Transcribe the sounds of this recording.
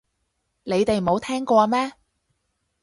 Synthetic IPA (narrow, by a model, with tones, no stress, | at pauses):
ne˨˧jt̪e˨jmo˨˧wt̪ʰɛː˥ŋkɔː˧mɛː˥